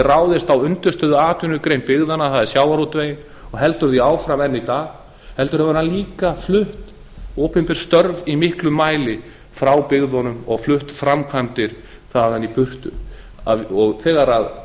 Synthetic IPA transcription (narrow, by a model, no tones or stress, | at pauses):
raːwðɪst̪awʏnt̪ʏ̥st̪œːðʏaːt̪ʰʏnːʏkɾejnpɪɣðanaθaðɛɾ̥sjaːwvaɾut̪vejɪn | ɔɣɦɛlt̪ʏɾθiaːwfɾamɛnːit̪aːɣ | hɛlt̪ʏɾhavɾaliːkaflʏht̪ | oːpɛmpɪɾ̥st̪œɾvimɪhklʏmːaːjlɪ | fɾawpɪɣðɔnʏmɔɣflʏht̪fɾamkʰant̪ɪɾ̥ | θaðanipʏr̥t̪ʏ̰ | aɔɣθɛːɣaɾað